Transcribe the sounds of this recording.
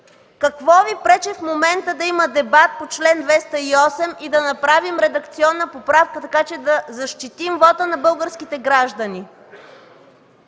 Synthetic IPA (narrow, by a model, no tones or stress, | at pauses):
kɐkvɔvipɾɛt͡ʃɛfmomɛnt̪əd̪ɐiməd̪ɛbat̪̚pot͡ʃlɛnd̪vɛst̪əiɔsɛmid̪ɐnɐpɾavimɾɛd̪ɐk̚t̪siɔnːəpopɾafkət̪ɐkat͡ʃɛd̪ɐzɐʃt̪it̪imvɔt̪ənɐbɤlˠɡəɾskit̪ɛɡɾaʒd̪əni